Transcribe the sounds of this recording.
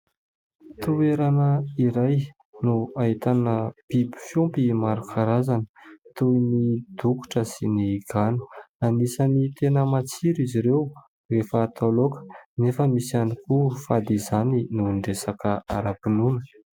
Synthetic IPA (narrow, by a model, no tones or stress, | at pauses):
t̪ueɾanəiɾaj | nuaɦit̪anəb̥ibu̥fjumpimaɾukʰaɾazanə̥t̪uinid̪̥uku̥ʈ͡ʂəsiniɡ̥anu̥anisanit̪enəmat͡siɾiziɾew | refət̪ʰalokə̥nefəmisanikufad̪izaninuɳɖ͡ʐesakəaɾapinunə̥